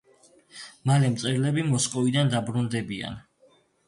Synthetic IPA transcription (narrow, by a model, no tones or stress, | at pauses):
malɛmt̪sʼɛɾlɛbimɔsqʼɔvid̪and̪abɾund̪ɛbia̰n